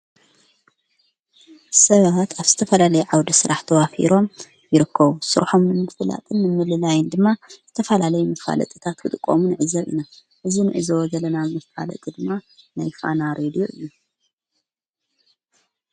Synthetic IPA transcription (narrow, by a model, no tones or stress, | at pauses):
sɐβat̪aβz̥ɨ̥t̪ʰɐfɐlalɐjuʕawd̪isɨɾaħt̪ʰɐwafḭɾo̞m | jɪɾɨkʰːɐβusɨɾħo̞mnɨmɨfɨla̰t̪ʼɨnːɨmɨlɨlajɨnd̪ɨmːazɨt̪ʰɐfɐlalɐjumɐfa̰lɐ̰t̪ʼit̪ʰat̪wɨt̪ʼɨkʼːo̰munɨʕɨzɐβḭna | ʔɨzinɨʕɨzɐwɔɡɐlɐnazmɐfa̰lɐ̰t̪ʼid̪ɨmːanajfa̰naɾed̪ijoʔɨjːu